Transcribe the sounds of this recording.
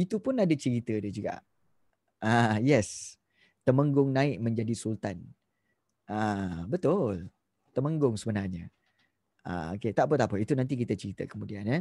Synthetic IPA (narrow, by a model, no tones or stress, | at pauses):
it̪upʊnadat͡ʃəɾit̪ədəd͡ʒuɡa̰ʔ | ajɛs | t̪əməŋɡʊŋnãɪʔ̚mə̃ɲd͡ʒadisult̪an | abət̪ʊl | t̪əmə̃ŋɡʊŋsəbənarɲə | a̰o̰ket̪aʔpət̪apəit̪unant̪̬ik̬it̪ət͡ʃəɾit̪ə̰kəmudianɛ